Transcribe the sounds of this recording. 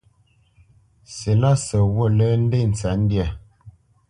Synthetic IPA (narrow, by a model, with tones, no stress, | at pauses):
se˨la˦˨sə˨wə˦˨lə˦n̩˦de˦˨n̩˨t͡sa˨˦n̩˦dja˨